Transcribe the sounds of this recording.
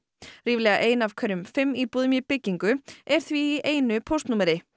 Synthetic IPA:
riːvlɛːɣaʔeːjnav̥kʰvœɾʏmfɪmːipuːðʏmipɪcːiŋkʏɛɾ̥θviːʔeːjnʏpʰowst̪nuːmɛɾɪ

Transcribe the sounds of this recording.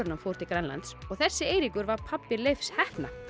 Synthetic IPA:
ɾnamfoːwɾ̥t̪ikɾanla̰nt̪sɔɣθɛsːɪeːjɾikʏɾvaɾ̥pʰapːɪlejfshɛht̪na̰

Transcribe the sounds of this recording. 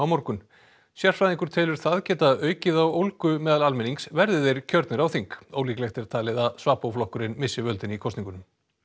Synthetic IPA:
awmɔɾkʏn | sjar̥fɾaːðiŋkʏɾ̥t̪ʰɪlʏɾ̥θaðcɛːt̪aœːɥcɪðawowlkʏmɛːðalalmɪniŋksvɛɾðɪðɛɾ̥cʰœɾt̪nɪɾawθiŋkowliːklɛxt̪ɛɾ̥t̪ʰaːlɪðaðsvaːpowflɔhkʏɾɪnmɪsːɪvœlt̪ɪnikʰɔst̪iŋkʏnʏm

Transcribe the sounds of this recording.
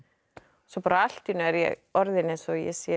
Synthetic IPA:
sɔpaːɾaal̥t̪inʏɛɾjɛ̰ɣɔɾðɪnensɔjɛ̰sjɛ

